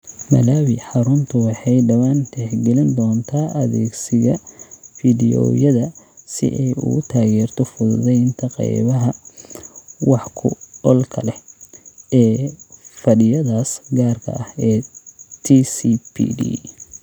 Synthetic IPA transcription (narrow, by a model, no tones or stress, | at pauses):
mɐ̰laːwɪħɑɾʊnt̪ʰʊwɑħɑjɖɐwaːnd̪ɛħɡɛlɪnd̪ɔːnt̪ʰaːʔɐðɛ̰ːɡsɪɣɐfidɪɔ̰ːjɐðɐsɪ̰ʔɛjʊ̰ɣʊt̪ʰaːɣɛːrt̪ʰɔfʊðʊðɛjɪnt̪ʰɐqɛ̰jβɐɦɐ | wɑħkʰʊ̰ɔlkʰɐ̰lɛ | ɛːfɐɖɪjɐðaːsɡaːrkʰɐ̰ɐhɛːt̪ʰisipʰḭɖḭː